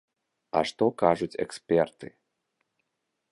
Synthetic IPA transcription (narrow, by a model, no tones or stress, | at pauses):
a̰ʂt̪ɔkaʐut͡sʲɛ̰kspʲɛrt̪ɨ